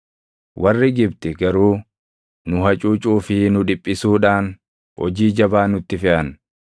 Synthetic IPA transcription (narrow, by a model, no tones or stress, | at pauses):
wʔɐrːɪɡɪbt̪ɛɡɐɾuː | nʊɦɐt͡ʃʼuːt͡ʃʼuːfɪnʊᶑɪpʼːɪsuːᶑaːn | hɔ̰d͡ʒiːd͡ʒɐbaːnʊt̪ːɪfɪʔɐn